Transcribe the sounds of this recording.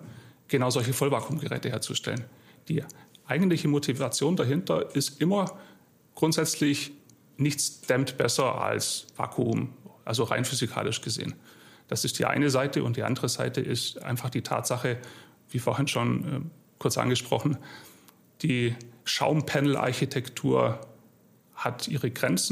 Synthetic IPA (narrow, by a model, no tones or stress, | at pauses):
ɡ̥ənaʊzɔlçəfɔlvaːkʰuːmɡəʁɛ̰ːtəheːɐt͡suʃtɛ̰lən | d̥iːʔaɪɡŋ̩tlɪçəmotʰivat͡sjoːndaɦɪntɐɪstʔɪmɐ | ɡ̥ʁʊntz̥ɛt͡slɪç | nɪçt͡sd̥ɛmtb̥ɛsɐʔa̰lsva̰ːkʰumʔalzoʁa̰ɪnfyzikʰa̰ːlɪʃɡ̥əzḛːənd̥asɪstd̥ḭːʔa̰ɪnəzaɪtʰəʊ̰ntd̥iːʔa̰ndəʁəza̰ɪtəʔɪstʔa̰ɪnfaχd̥iːtʰa̰ːtz̥aχə | viːfoːɐhɪnʃonɛ̰ | kʰʊɐt͡sʔa̰nɡəʃpʁ̥ɔ̰χn̩ | d̥iːʃa̰ʊmpʰɛnl̩ʔa̰ɐçitʰɛktʰuːɐ | hatʔiːʁ̞əɡʁɛnt͡sn̩